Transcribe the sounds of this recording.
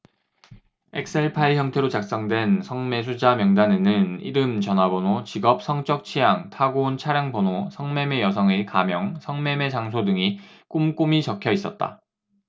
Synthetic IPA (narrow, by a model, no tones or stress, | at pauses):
ek̚s͈ʰe̞ɭpʰaiçjʌŋtʰe̞ɾot͡ɕak̚s͈ʌŋdwe̞nsʰʌŋme̞sʰud͡ʑamjʌŋdane̞nɯnḭɾɯmt͡ɕʌnabonot͡ɕiɡʌp̚sʰʌŋt͡ɕ͈ʌk̚t͡ɕʰijaŋtʰaɡount͡ɕʰaɾjaŋponosʰʌŋme̞me̞jʌs̬ʰʌŋekamjʌŋsʰʌŋme̞me̞t͡ɕaŋs̬ʰodɯŋi | k͈umk͈umit͡ɕʌkʰjʌis͈ʌt̚t͈a̰